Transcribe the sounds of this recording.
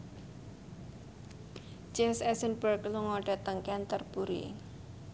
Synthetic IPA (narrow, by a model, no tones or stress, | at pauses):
d͡ʒɛmsɛsənbərkluŋɔɖ̥a̤t̪əŋkɛnt̪ərb̥uɾḭ